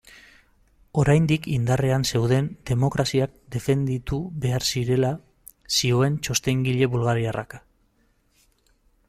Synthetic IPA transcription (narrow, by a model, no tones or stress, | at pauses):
o̞ɾajnd̪ikind̪are̞anse̞wðe̞nd̪e̞mo̞kɾasiak̚d̪e̞fe̞nd̪it̪uβe̞aɾsiɾe̞la | sio̞e̞nt͡ʃo̞st̪e̞ŋɡiʎe̞βulɣaɾiarʔa̰kḁ